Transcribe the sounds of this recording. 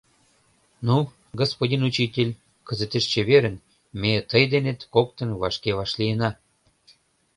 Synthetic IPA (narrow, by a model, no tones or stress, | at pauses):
nu | ɡospodʲinut͡ɕitʲelʲ | kə̆zə̆t̪eʃt͡ɕĕβeɾə̆n | met̪əjd̪enet̪kokt̪ə̆nβɑʃkeβɑʃlijənɑ